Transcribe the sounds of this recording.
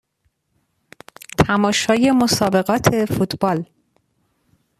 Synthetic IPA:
t̪ʰæmɒːʃɒːje̞mosɒːbe̞ɢɒːt̪ʰe̞fut̪b̥ɒːl

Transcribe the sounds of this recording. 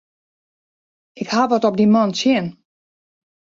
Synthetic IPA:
ɪkhaʋɔtɔp̚dimɔnsjɪən

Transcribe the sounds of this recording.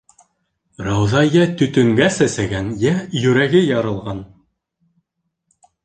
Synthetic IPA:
rɑwðɑjæt̪ɵ̆t̪ɵ̆ŋɡæsæsæɡænjæjɵ̆ɾæɡɘjɑɾɤ̆lˠʁɑn

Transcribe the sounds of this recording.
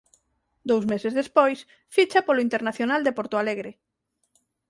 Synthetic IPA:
d̪owzmesezðespojs | fit͡ʃapoloint̪eɾnaθjonald̪epoɾt̪oaleɣɾɪ

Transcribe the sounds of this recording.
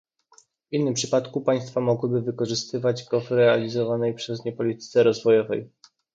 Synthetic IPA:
vinːɘmpʂɘpat̪kupaj̃st̪famɔɡwɘbɘvɘkɔʐɘst̪ɘvad͡ʑɡɔvɾɛalʲizɔvanɛjpʂɛzɲɛpɔlʲit̪ɘ̥t̪sɛɾɔzvɔjɔvɛ̰j

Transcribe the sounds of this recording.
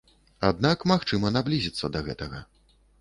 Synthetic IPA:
ad̪nakmaxt͡ʂɨmɐnablʲizʲit̪sːɐd̪ɐɣɛ̰t̪ɐɣɐ̰

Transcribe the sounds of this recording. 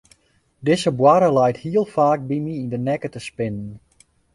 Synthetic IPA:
dɪsəbwaɾəlɛjthiəlˠfaːk̚bimiindənɛkətəspɪnən

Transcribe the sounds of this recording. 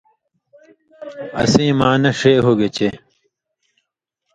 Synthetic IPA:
ɐ̰sĩːmaːnɐʂeːɦoɡet͡ɕe

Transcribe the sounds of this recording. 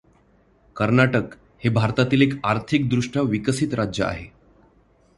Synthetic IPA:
kəɾnaʈək | hebʱaɾt̪at̪iːlekaɾt̪ʰik̚d̪ɾuʂʈaʋikəsit̪ɾad͡ʑjəa̰ɦe

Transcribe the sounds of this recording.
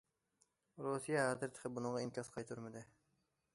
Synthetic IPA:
ɾusijɑɦæzɪɾt̪ʰɪ̥qʰɪbunɨʁɑinkʲɑsqʰɑjt̪ʰuɾmɪd̪ɪ

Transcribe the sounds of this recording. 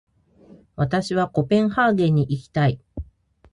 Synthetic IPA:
βat̪aɕiβako̞pẽ̞ɰ̃haːɡẽ̞ɲ̟ːiʔikʲi̥t̪ai

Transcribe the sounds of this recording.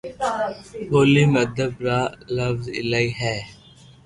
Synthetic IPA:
ɦoːliːməd̪ʱəbɾaːləfzɪ̰laiɦɛː

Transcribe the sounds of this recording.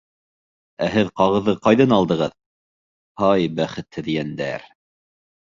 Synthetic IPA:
æɦɘðqɑʁɤ̆ðːɤqɑjðɤnɑlˠd̪ɤ̆ʁɤð | hɑjbæχɘ̆t̪hɘ̆ðjɡænd̪æ̰ɾ

